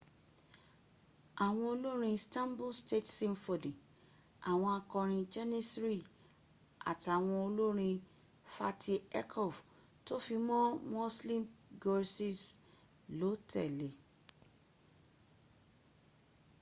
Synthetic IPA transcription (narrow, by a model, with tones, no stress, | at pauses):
a˨w̃ɔ̃˧o˧lo˦ɾ̃ĩ˧stã˦mbo˦ste˦˨tsĩ˦mfo˨dĩ˨ | a˨w̃ɔ̃˧a˧kɔ̃˧ɾ̃ĩ˧d͡ʒɛ˦ni˦sɾi˦ | a̰˨ti˨a˨w̃ɔ̃˧o˧lo˦ɾ̃ĩ˧ | fa˧tʰi˧ɛ˦kʰɔ˦˨f | to˦fi˧mɔ̃˦mo˦slĩ˦mɡɔ˧ɾsi˦˨s | lo˨˦tɛ˦˨le˨